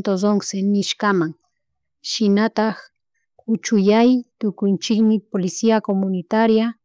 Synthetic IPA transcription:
t̪odoŋsenɪʃkamaŋ | ʃɪnat̪ax | ʊt͡ʃʊjajt̪ʊkʊnt͡ʃɪkmɪpolɪsiakomʊnɪt̪aɾja

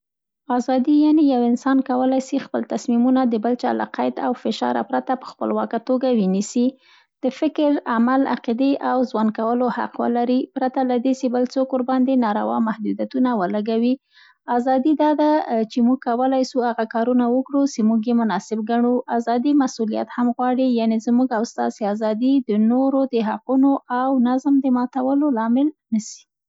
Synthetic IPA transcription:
ɑzɑd̪ijɑnejawɪnsɑnkawəlajsixpəlt̪asmimunad̪əbəlt͡ʃɑ̰la̰qajd̪a̰wfɪʃɑ̰ɾa̰pɾat̪apə̥xpə̰lwɑkat̪oɡawinisi | d̪̥əfɪkɾamala̰qid̪eʔawzwankawəloha̰qwə̰laɾipɾat̪alad̪esebəlsokoɾbɑnd̪enɑɾa̰wɑ̰nmahd̪ud̪jat̪unawəlaɡawi | azɑd̪id̪ɑd̪at͡ʃemuɡ̚kawəlajsuhaɣakɑɾunawəkɽusemuɡjemʊnɑsɪbɡaɳuʔazɑd̪imasulija̰t̪hamɣwɑɽijanezmuɡawst̪ɑ̰seazɑd̪id̪ənoɾod̪əɦaqunoʔawnazmd̪əmɑt̪awəlolɑmɪlnəsi̥

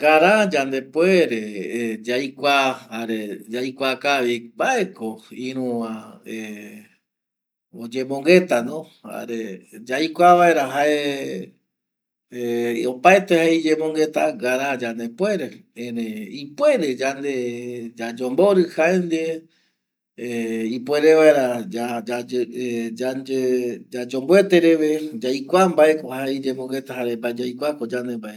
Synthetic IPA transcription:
ɡaɾãd͡ʒand̪e̞pweɾed͡ʒajkʷahaɾed͡ʒajkʷakaβimbaekoĩɾ̃ũãe | od͡ʒẽ̞mõŋɡe̞t̪anõ | ha̰ɾed͡ʒajkʷaβaeɾaɦae | opaet̪ehaid͡ʒẽmõŋɡe̞t̪aɡaɾad͡ʒane̞pwe̞ɾeẽɾeipwe̞ɾe̞d͡ʒand̪ed͡ʒad͡ʒombo̞ɾɨhaend̪e | ipwe̞ɾe̞ʋae̞ɾaad͡ʒad͡ʒd͡ʒaned͡ʒad͡ʒo̞mbwe̞t̪e̞ɾe̞ʋe̞d͡ʒajkʷambae̞kohaeid͡ʒẽ̞moŋɡe̞t̪aɦaɾe̞mbaed͡ʒajkʷakod͡ʒand̪e̞mbaʔe

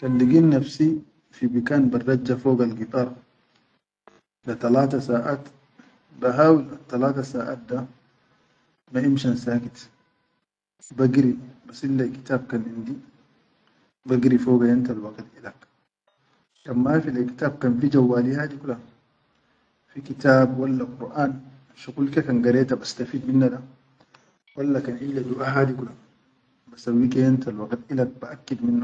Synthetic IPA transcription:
kanliɡinːafsi | fibikaːnbarːad͡ʒːafoːɡalɡit̪ˤɑːɾˤ | lat̪alaːt̪asaːʔaːt̪ | baɦaːwilat̪ːalaːt̪asaːʔa̰ːt̪̚d̪a | maʔimʃansaːkit̪ | baɡɾibasʔilːajki̥t̪aːb̚kanʔind̪i | baɡɾifoɡajant̪alwaɡt̪ʔilak | kanmafilajki̥t̪aːb̚kanfid͡ʒawːaːlihaːd̪ikula | fikit̪aːbwalːaqʊɾʔaːn | ʃuɡulkakanɡaɾɛːt̪abast̪afiːd̪minːaɗa | walːakanʕidad̪uʔaɦaːd̪ikula | basawːikajant̪alwaɡt̪ʔilak̚baʔakːid̪minːa

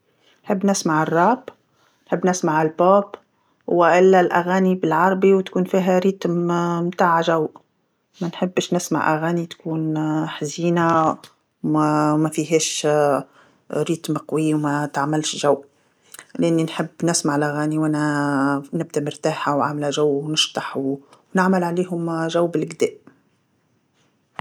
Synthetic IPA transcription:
nħɪbːnɪsmaʕɪrˤːɑːb | nħɪbːnɪsmaʕɪlboːb | waʔɪlːalʔaɣaːnibɪlʕɑɾˤɑbiwt̪kuːnfiːɦæɾiːt̪mmt̪aːʕʒawʔ | manħɪbːɪʃnɪsma̰ʕʔa̰ɣaːnit̪kuːnħaziːna | mæfiɦɛːʃ | ɾiːt̪mqwɪjːwmæt̪aʕmɪlʃʒæw | lʔɪnːinħɪbːnɪsmaʕlʔæɣæːniwʔænæ | nɪb̚d̪æmɪɾt̪aːħawʕamlæʒæwːnɪʃt̪ɑħwwnɪʕmɪlʕaliːɦʊmʒæwːbɪlʔɡd̪ɛːʔ

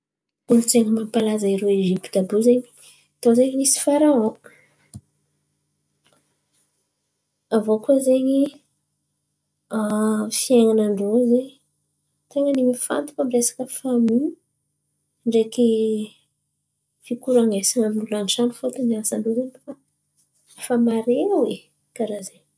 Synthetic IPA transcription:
ulut͡seŋəmampalazaiɾeeʒipid̪abuzeɲi̥ | t̪ozeɲinisi̥faɾaõ | avokuəzeɲi | afieŋanaɳɖ͡ʐozeɲ | t̪aŋənimifa̰nt̪u̥famiɾesḁkəfami | ɳɖ͡ʐeki | fikuɾaŋɡesiŋaminulanʈ͡ʂanufot̪uniasaɳɖ͡ʐuzenifa | famaɾeawe | kaɾazeɲ

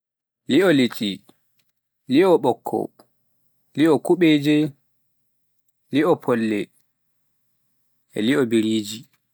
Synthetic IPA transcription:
liɔlit͡ʃʼi | liɔɓɔkʰːɔ̰ | liɔkuɓeːd͡ʒɛ | liɔpʰɔlːɛ | ɛ̰liɔbiɾiːd͡ʒi

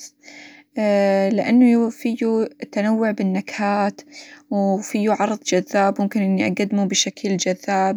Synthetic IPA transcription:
lɪʔanːʊfijut̪anawːʊʕbɪnːakhaːt̪wfijːuʕɑɾˤðˤd͡ʒaðːaːbmʊmkɪnʔɪnːiʔa̰ɡad̪mubɪʃakld͡ʒaðːaːb

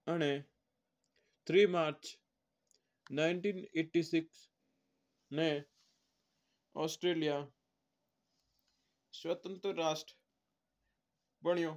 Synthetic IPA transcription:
əɽ̃e | t̪ʰɾiːmaːɾt͡ʃ | naːɪɳʈiːneːʈːiːsɪks | nẽ | ɔːsʈɾeːlija | swət̪ə̃nt̪ɾːaːsʈɾ | bəɳ̃ɪjoː

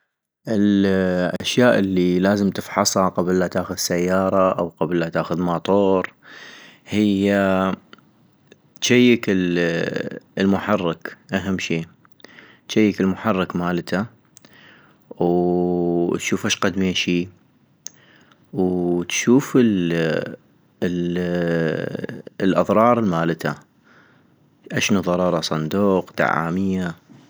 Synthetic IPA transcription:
ʔɪlʔa̰ʃjaːʔɪlːilaːzəmt̪ɪfħɑsˤhɑqɑblːat̪aːxʊðsajːɑːɾˤɑʔawqablːat̪aːxʊðmɑt̪ˤoːɾ | hɪjːa | t̪ʃajːɪkɪ | lmʊħɑrˤːɪkʔaɦamːʃiː | t̪ʃajːɪkɪlmʊħɑrˤːɑkmaːlt̪ʰa | ww | t̪ʃuːfaʃqad̪miʃiː | wt̪ʃuːfɪl | l | lʔɑðˤɾˤɑːɾˤəlmaːlət̪ʰa̰ | ʔaʃnuðˤɑɾˤɑːɾˤɑsˤɑnd̪uːqd̪a̰ʕa̰ːmɪjːa

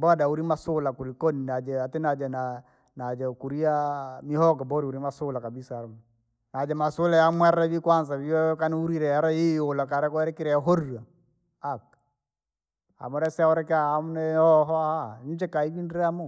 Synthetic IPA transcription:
bɔadauɾimasʊlakuɾikɔninad͡ʒɛatɛnad͡ʒɛna | nad͡ʒɛkuɾiamihɔkɔmbɔɾiuɾimasʊlakabisaaɾm | nad͡ʒɛmasʊlajamwɛɾɛβikwansaβiɔkaniuɾiɾɛaɾaiolakaɾɛkɔɛɾɛkiɾɛɦɔɾua | ak̚ | a̰mɔɾɛsɛaɔɾɛkaamunɛɔɦɔahaɲd͡ʒɛkaiβinɾɛamɔ

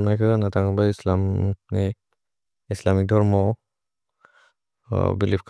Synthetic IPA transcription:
mnajkʰɯanatʰaŋbaislamni | islamik̚dɔɹmɔ | bilip̚ʰkʰ

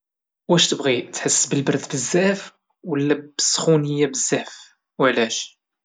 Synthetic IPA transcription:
wæʃt̪əbʁit̪ħəsːbəlbəɾd̪bəzːæf | wəlːæbəsχunəjːæbəzːæf | wʕlæʃ

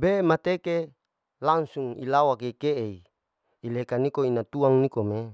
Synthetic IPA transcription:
bemat̪eke | laŋsuŋḭlawakekeʔei | ilekanikoinat̪uaŋnikome

